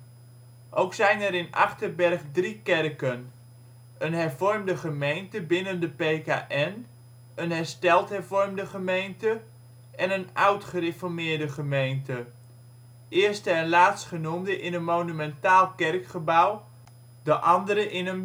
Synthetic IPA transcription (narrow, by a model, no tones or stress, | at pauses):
ʔowksɛjnɛɾɪnʔɑ̰χtərbɛrχdrikɛrkən | ənɦɛrvɔrmdəχəmejntəbɪnəndəpeːka̰ʔɛn | ənɦɛɹstɛlˠthɛɹvɔrmdəχəmejntə | ʔɛnənaɥtχərefɔɹmɪːɹdəχəmejntə | ɪərstəɛənlaːtstχənumdəʔɪnənmownymɛntaːlˠkɛrkχəbaw | dəʔɑndəɾəʔɪnən